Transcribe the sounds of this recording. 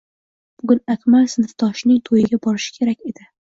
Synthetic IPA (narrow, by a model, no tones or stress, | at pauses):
b̥ʊɡʲʊnakʲmalsɪnɨft̪ʰɒʃnɪŋt̪ʰojɪɡʲabɒɾɪʃɪ̥kʲʰe̞ɾakʲe̞d̪ɪ